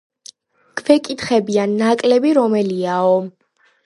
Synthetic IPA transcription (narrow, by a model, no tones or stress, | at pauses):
kʰʼvɛkʼit̪χɛbianːakʼlɛbiɾɔmɛliaɔ